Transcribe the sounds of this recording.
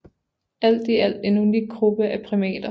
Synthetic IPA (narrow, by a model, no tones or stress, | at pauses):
æl̰d̥iæl̰denuni̥ɡ̥ʁub̥əʔæpʰʁimɛ̰ːd̥ɐ